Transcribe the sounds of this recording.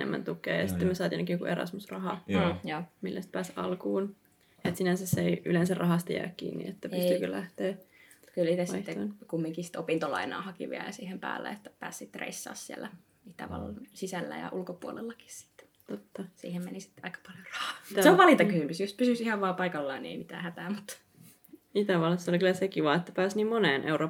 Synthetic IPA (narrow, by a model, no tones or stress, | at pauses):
nḛmːæ̰nt̪ukḛːjɑsi̥t̪ːemøsɑːt̪inekijokuʔerɑ̰smusrɑhɑjoːmilːæst̪̚pæːsɑ̰lkuːn | et̪sinænsæsːeiʔylensærrʔɑhɑst̪ɑjæ̰ːkkḭːnːḭet̪ːæpyst̪ykølæht̪eː | kylsit̪æsɑit̪ːeonkumːiŋkisi̥t̪opint̪olɑ̰inɑ̰ːhɑkḭʋiælɑsiːhempæ̰ːlːæ̰et̪ːæ̥pæ̰ːssit̪ːrḛisːɑ̰ːssiḛlːæ | it̪æ̰ʋɑ̰lːɑnsisælːæ̰jɑ̰ʔulkopuolḛlːɑki̥ssi̥t̪ːt̪ot̪ːɑsḭːhemmḛnisi̥t̪ːɑikɑ̥pɑljorɑhɑ̥ːt̪æseoʋɑlit̪ɑkysymysjust̪̚pysysihɑʋʋɑːpɑikɑlːɑːniḛimit̪æ̰ːhæt̪æːmut̪ː | it̪æʋɑlːɑsːeolikylˑæsekiʋɑet̪ːæpæːsniːmmoneːnʔḛuroː